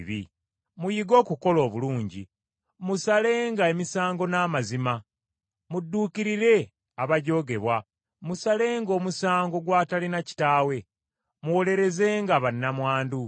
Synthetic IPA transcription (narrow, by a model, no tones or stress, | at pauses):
βḭ | mujiɡo̞ːkuko̞lo̞ːβuluːɲɟi | musale̞ːŋɡae̞misaːŋɡo̞naːmazima | mudːuːkiɾiɾe̞ | aβaɟo̞ɡe̞βwa | musale̞ːŋɡo̞ːmusaːŋɡo̞ɡwaːtalinaci̥taːwe̞ | muwo̞le̞ɾe̞ze̞ːŋɡaβanːamwaːndu